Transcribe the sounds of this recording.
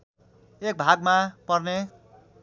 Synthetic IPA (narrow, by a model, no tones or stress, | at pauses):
ek̚bʱaɡ̚mapʌrne